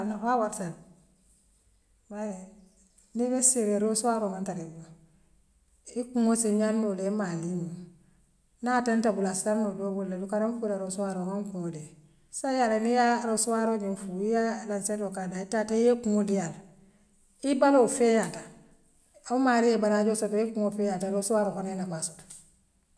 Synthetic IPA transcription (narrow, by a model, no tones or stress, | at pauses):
nafawaɾtal | baje | nibesiɾeɾoswaɾoŋantaɾebo | ikuŋosiɲannolemaliɲo | natentabulasaɾnobobulːedukaɾaɱfulaɾosuaɾoŋaŋkode | sajalenijaɾosuwaɾoɲinfujalansetokadaitatajekuŋodijal | ibalofejata | aumalijebaɾaɟosotojekuŋofejataɾosuwaɾokonenabasot